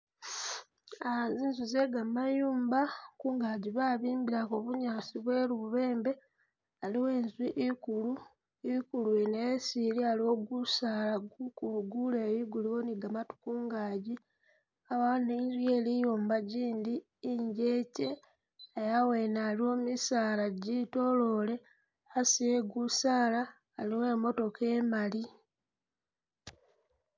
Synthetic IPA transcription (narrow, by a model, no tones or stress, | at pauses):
aβaziːnzize̞ɡamajuːmbakuːŋɡaɟiβaβiːmbiɾakoβuɲaːsiβweːluβuβe̞ːmbe̞ | aliwe̞ːnzwiʔikulu | ikuluenejesiɾialo̞ɡusalaɡukuluɡuleβiɡuliwo̞niɡamatu̥kuːŋɡaːɟi | aβaːneinzwie̞ːlijoːmbaɟiːndiː | ɲɟe̞ːce̞ | ejawe̞ːnalio̞misaːlaɟito̞lo̞le̞ | asieɡusaːlaː | liwe̞ːmo̞to̞ke̞ːmali